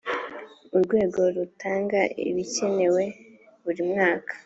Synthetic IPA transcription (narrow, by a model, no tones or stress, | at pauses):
uɾɡwe̞ːɡo̞ɾutʰaːŋɡaʔḭβice̞ne̞we̞ | βuɾimŋaːkḁ